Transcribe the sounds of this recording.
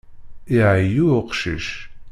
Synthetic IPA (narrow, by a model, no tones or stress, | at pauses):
iajuqʃɪ̰ʃ